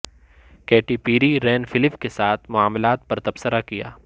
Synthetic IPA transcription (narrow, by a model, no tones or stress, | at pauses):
keːʈiːpiːɾiɾɛːnfɪlɪpkesaːt̪ʰmʊaːmlaːt̪̚pɐɾt̪ɐbsəɾakija̰ː